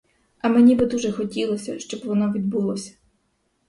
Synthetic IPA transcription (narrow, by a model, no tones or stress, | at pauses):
ɐmenʲibɪd̪uʒɛxɔtʲilˠɔsʲɐʃt͡ʃɔbʋɔnɔʋʲid̪bulˠɔsʲɐ̥